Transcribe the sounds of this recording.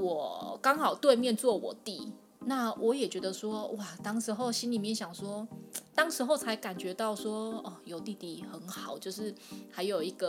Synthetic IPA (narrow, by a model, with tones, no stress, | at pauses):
wɔ˨˩kɑ˥ŋxɑ˨˩ʊt̪we˥˧ɪmjɛ˥˧nt͡swɔ˥˨˩wɔ˨˩t̪i˥˨ | na˥˩wʔɔ˨˦˥jɛ˨˩t͡ɕɥɛ˧˦d̪ə˧swɔ˦wa˥˩t̪ɑ˥ŋʂɻ̩˧˥xo˥˩ʊɕi˥nli˨˩mjɛ˥˨nɕjɑ˨˩ŋswɔ˦˥t̪ɑ˥ŋʂɻ̩˧˥xo˥˩ʊt͡sʰa˧˥ɪka˨˩nt͡ɕɥɛ˧˥t̪ɑ˥˩ʊswɔ˥ɔ˥˨˩jo˨˩ʊt̪i˥˧t̪i˥˩xə˧˦nxɑ˨˩ʊt͡ɕjo˥˧ʊʂɻ̩˥˩ha˧˦ɪjo˨˩ʊi˧˦ɡə˨